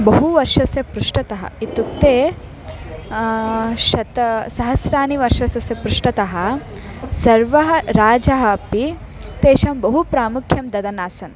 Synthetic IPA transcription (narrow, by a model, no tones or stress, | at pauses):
bɐɦuʋɐɾʂɐsjɐpɾuʂʈɐt̪ɐɦɐ̰it̪uk̚t̪eː | ʃɐt̪ɐsɐɦɐsɾaːniʋɐɾʃɐsɐsjɐpɾuʂʈɐt̪ɐɦɐ̆ | sɐɾʋɐɦɐɾaːd͡ʒɐɦɐpi | t̪eːʃɐmbɐɦupɾaːmukʰjɐmd̪ɐd̪ɐnaːsɐn